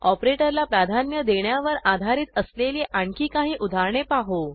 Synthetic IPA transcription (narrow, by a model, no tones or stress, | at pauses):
ɔpɾeʈəɾlapɾad̪ʱanjəd̪eɳjaʋəɾad̪ʱaɾiːt̪əsleliʔaɳkiːkaɦiːʔud̪ʱaɾɳepaɦo